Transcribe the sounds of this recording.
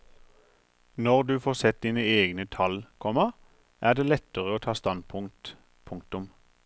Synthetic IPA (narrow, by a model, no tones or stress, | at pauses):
nɔʁd̪ʉːfoːʁsɛt̪̚d̪iːnəeːɡnət̪ʰɑlkʰɔmə | ʔæːʁd̪eːlɛt̪əʁəoːt̪ʰɑːst̪ɑnpʰʊŋt̪ | pʰʊŋkt̪ʊm